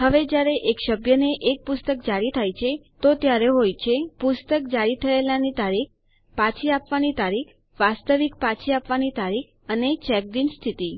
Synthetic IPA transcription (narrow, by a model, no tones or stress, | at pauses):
ɦəʋed͡ʒjaɾeʔekʃəbjəneʔek̚pʊst̪ək̚d͡ʒaɽit̪ʰajt͡ʃʰet̪ot̪jaɾeɦojt͡ʃʰepʊst̪ək̚d͡ʒaɽit̪ʰəelanit̪aɾik̚ | pat͡ʃʰiapʋanit̪aɾikʰ | ʋast̪əʋikpat͡ʃʰiapʋanit̪aɾikʰ | ənet͡ʃɛk̚dinst̪ʰit̪i